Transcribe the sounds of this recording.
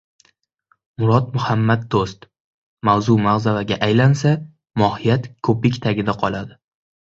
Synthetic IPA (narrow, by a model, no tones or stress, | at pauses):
mʊɾɒt̪mʊhamːad̪̚d̪ost̪ | mawzumaʁzavaɡʲaʔajlansa | mɒhijat̪kʰɵpɪkʲt̪ʰaɡʲɪd̪aqʰɒlˠad̪ɪ